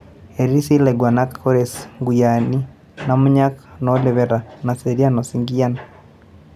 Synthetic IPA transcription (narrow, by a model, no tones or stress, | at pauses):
eɾiisilɛɡwanakkoɾɛsŋɡujani | namuɲaknɔlɛβɛɾanaseɾianɔsiŋɡiana